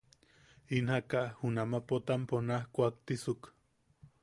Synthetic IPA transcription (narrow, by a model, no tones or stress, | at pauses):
inhakaʔhunamapot̪amponahkʷak̚t̪isuk